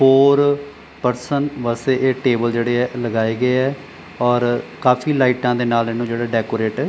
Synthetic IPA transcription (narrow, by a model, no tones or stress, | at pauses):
pʰoːɾ | pəɾsənʋəseːʔeːʈeːbəld͡ʒeːɽeːɛːləɡaːeːɡəeːɛː | ɔːɾkaːfʰiːlaːiʈãːd̪eːnaːlɪnũːd͡ʒeːɽaːɖɛːkoːɾeːʈɛː